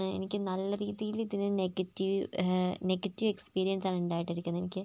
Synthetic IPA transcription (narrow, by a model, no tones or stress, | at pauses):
ḛnikʲːɨnɐlːɐɾiːðijiliðinɨneɡɐtːiʋneɡɐtːiʋe̞kspiːɾijɐnsaːnuɳɖaːjiʈːɐɾikʲːunːɐe̞nikʲːɨ